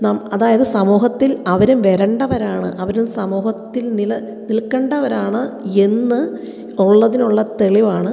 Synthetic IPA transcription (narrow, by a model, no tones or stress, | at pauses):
naːmɐðaːjɐðɨsɐmuːɦɐt̪ːilɐʋɐɾumʋeɾɐɳɖɐʋɐɾaːɳɨ̰ʔɐʋɐɾumsɐmuːhɐt̪ːilnilɐ | nilkːɐɳɖɐʋɐɾaːɳɨe̞nːɨ | oɭːɐðinuɭːɐt̪e̞ɭiʋaːɳɨ